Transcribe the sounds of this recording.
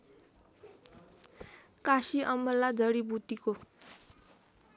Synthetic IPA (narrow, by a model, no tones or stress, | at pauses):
kasiʔʌmːʌlːad͡zʌɽibut̪iko